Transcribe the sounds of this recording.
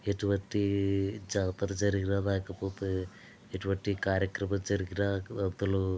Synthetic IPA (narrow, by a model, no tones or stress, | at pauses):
eʈuʋɐʈːid͡ʒaːt̪ɐɾɐd͡ʒɐɾɡiɾad̪aːkɐpoːt̪e | eʈuʋɐʈːikaːɾjɐkɾɐmɐd͡ʒɐɾiɡiɾaɐt̪ːɐlu